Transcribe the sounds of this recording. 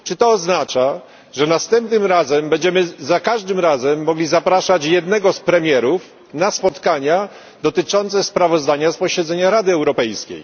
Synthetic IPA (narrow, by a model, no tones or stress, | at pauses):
t͡ʂɘt̪ɔːznat͡ʂa | ʐɛnast̪ɛmpnɘmɾazɛmbɛɲd͡ʑɛmɘzakaʐd̪ɘmɾazɛmːɔɡlʲizapɾaʂat͡ɕjɛd̪nɛɡɔspɾɛmʲjɛɾuf | naspɔt̪kaɲa | d̪ɔt̪ɘt͡ʂɔnt̪sɛspɾavɔzd̪aɲaspɔɕɛd̪zɛɲaɾad̪ɘɛwɾɔpɛjskʲḛj